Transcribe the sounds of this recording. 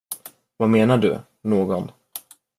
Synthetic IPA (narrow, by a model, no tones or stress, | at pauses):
vameːnaɖɵ̰ | noːɡɔn